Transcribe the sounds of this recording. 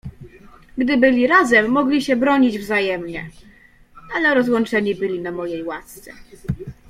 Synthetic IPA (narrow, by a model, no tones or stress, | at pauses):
ɡd̪ɘbɘlʲiɾazɛmːɔɡlʲiɕɛbɾɔɲid͡ʑvzajɛmɲɛ̰ | alɛɾɔzwɔnt͡ʂɛɲibɘlʲinamɔjejwast̪sɛ̰